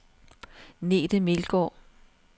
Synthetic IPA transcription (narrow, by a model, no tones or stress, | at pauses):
ne̝̰ːd̥əmelɡ̥ɒ̰ː